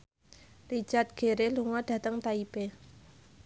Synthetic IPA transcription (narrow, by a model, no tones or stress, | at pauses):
li̥d͡ʒ̥at̪̚ɡ̥e̤ɾeluŋɔɖ̥a̤t̪əŋt̪aipe